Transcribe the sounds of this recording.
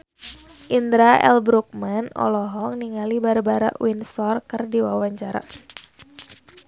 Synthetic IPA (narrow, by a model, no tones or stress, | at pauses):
ʔind̪ɾaʔɛ̰lbɾuk̚manɔ̰lɔɦɔŋniŋalibarbaɾa̰ʔwinsɔrkɨrdiwawaɲt͡ʃaɾa̰